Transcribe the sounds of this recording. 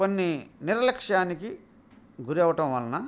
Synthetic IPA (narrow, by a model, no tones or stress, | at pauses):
konːiniɾɐlɐkʂaːniki | ɡuɾɛʋɐʈɐ̃mʋɐlːɐnɐ